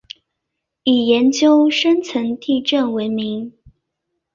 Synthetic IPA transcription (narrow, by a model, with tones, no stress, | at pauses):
i˨˩jɛ˨˧˥nt͡ɕjo˥ʊʂə˥nt͡sʰə˧˥nt̪i˥˧ʈ͡ʂə˥˩nwe˧˥ɪmi˧˦˥ŋ